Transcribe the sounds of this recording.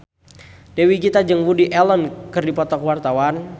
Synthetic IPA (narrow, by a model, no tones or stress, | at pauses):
d̥ewikit̪ad͡ʒəŋwudiʔɛlɔnkɨrdipɔt̪ɔkwart̪awan